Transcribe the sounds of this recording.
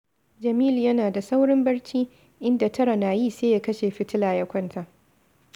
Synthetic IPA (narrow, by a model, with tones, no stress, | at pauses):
d͡ʒɐ˨miː˦ljɐ˦naː˨da˨sa˦wɽɪ˦mbɐ˦ɽt͡ʃiː˦ | ʔɪ˦nda˨tɐ˦ɾa˨naː˨jiː˦˨seː˦ja˦kɐ˦ʃe˨ɸɪ˦tɪ˦laː˨jɐ˦kʷɐ˦ntʰa˨ʔ